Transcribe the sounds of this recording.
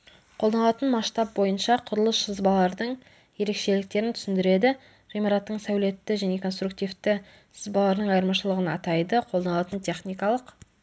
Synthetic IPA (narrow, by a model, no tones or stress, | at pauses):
qʰod̪ɑnlˠɑt̪ənmɑʃt̪ɑp̚bo̞jənʃɑqʰʊɾəlˠəsʃəzbɑlˠɑɾd̪əɴ | je̞ɾe̞kʃe̞lɪk̚t̪e̞ɾɪnt̪ʰʏ̥sɪnd̪ɪɾe̞d̪ɪ | ʁemɑɾat̪ːəɴsæwle̞t̪ːɪʒæne̞kʰonst̪ɾuk̚t̪ijft̪ɪ | ʃəzbɑlˠɑɾd̪əɴɑjəɾmɑʃəlˠəʁənɑ̰t̪ɑjd̪əqʰolˠd̪ɑnlˠɑt̪ənt̪ʲʰe̞χnijkɑlˠəq